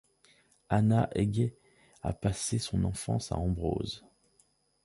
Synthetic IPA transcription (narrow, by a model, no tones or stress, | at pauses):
anaʔeɡe | a̰pasesɔ̃nɑ̰̃fɑ̰̃sa̰ɑ̃bʁo̰z